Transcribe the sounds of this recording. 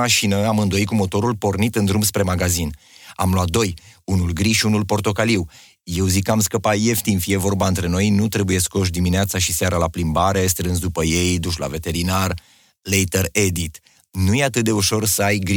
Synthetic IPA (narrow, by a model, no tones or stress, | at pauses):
aʃinəamɨnd̪o̞ikumo̞t̪o̞ɾulpo̞rnit̪ɨnd̪ɾumbspɾe̞maɡazin | a̰mloat̪̚d̪o̞junulɡɾiʃiunulpo̞rt̪o̞kaliw | je̞wzikːamskəpaje̞ft̪infije̞vo̞rbaɨnt̪ɾe̞no̞jnut̪ɾebuje̞sko̞ʃ̬d̪imineat̪saʃiseaɾalaplimbaɾe̞st̪ɾɨnsd̪upəje̞jd̪uʃla̰ve̞t̪e̞ɾinar | lejt̪əɾe̞d̪it̪ | nujeat̪ɨt̪̚d̪e̞uʃo̞rsəajɡɾ